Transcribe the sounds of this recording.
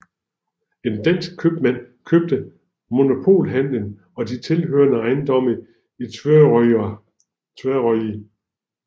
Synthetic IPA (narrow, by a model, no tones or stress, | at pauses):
e̝nd̥æn̰sɡ̥̚kʰøb̥mæn̰ | kʰøb̥̚d̥ə | mo̝no̝pʰo̝̰ːlɦæn̰lən | ɒ̽d̥it͡sʰe̝lɦøɐnəɑ̈ɪnd̥ɒ̽m̰ə | i | t͡sʰeɐʁɒi